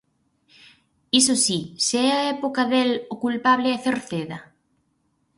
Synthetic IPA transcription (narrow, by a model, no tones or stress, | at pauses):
isosiseɛaɛpokaðelokulpaβlɪɛθeɾθeðɐ